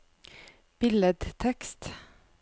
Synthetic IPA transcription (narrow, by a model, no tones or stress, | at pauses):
b̥ɪləd̪t̪ʰɛkst̪